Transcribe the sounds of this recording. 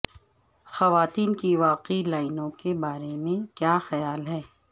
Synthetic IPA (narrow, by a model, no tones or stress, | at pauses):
xɐʋaːt̪iːnkiʋaːqilaːɪnõkebaːɾemẽkjaːxɐjaːlɦɛː